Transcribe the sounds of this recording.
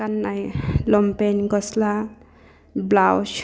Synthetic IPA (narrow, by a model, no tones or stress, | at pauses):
anːajlɔmpenɡʌsla | blaws